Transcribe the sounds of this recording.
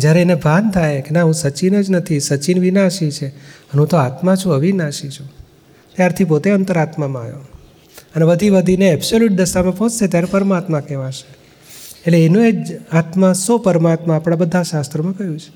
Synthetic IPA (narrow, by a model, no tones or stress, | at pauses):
d͡ʒjaɾeːnebʱant̪ʰajkenaɦũsət͡ʃinəd͡ʒnət̪ʰisət͡ʃinʋinaʃit͡ʃʰeənɦũt̪oat̪mãt͡ʃʰũəʋinaʃit͡ʃʰũ | t̪jaɾt̪ʰipot̪eənt̪əɾat̪mamãa̰jo̰ | ənebəd̪ʱibəd̪ʱineɛbsoluʈ̚d̪əʃamãpɔ̃t͡ʃset̪jaɾepəɾmat̪mãkɛʋaʃe̥ | eʈleenũed͡ʒat̪mãsopəɾmat̪mãːpɽ̃abəd̪ʱaʃast̪ɾəmãkəɦjũt͡ʃʰe̥